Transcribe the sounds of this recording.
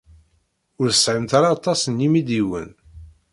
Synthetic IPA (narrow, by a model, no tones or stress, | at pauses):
ʊɾθəsʕəmt̪aɾɑːt̪ˤːɑsənjimid̪iwə̰n